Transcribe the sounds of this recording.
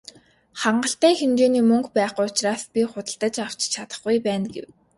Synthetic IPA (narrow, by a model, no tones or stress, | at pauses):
χaɴɢə̆ɬt̪æːxemt͡ɕeːniːmɵŋkpæːχʊjʊt͡ɕraːspʲiχʊt̪ə̆ɬt̪ə̆t͡ɕaw̥t͡ɕt͡ɕʰat̪ə̥̆χɡʊjpæːnɡḛw